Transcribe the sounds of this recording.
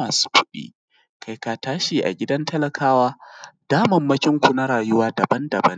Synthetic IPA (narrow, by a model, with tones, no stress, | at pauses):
aː˨su̥˦kʷʊ˦ɗḭː˦ | kʰa˨jka˨taː˦ʃiː˨ʔa̰˨ɡʲɪ˦dɐ˦ntɐ˦lɐ˨kʰaː˦waː˦d̥aː˦mɐ˨mːɐ˦kʲɪ˦ŋkʷu˨na˦ɽaː˨jʊ˦waː˦dɐ˨bɐ˦ndɐ˨bɐ˦n